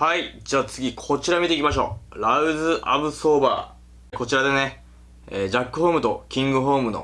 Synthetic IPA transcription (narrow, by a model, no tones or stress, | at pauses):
haid͡ʑaːt͡sɨɡʲikʰo̞t͡ɕiɾamʲit̪eikʲimaɕ̬o̞̰ːɾaɯ̟zɨʔa̰bɯ̟so̞ːba̰ː | ko̞t͡ɕiɾad̪e̞ne̞ | eːd͡ʑakːɯ̟hoːmɯ̟t̪o̞kʲĩŋɡɯ̟ɦo̞ːmɯ̟no̞̰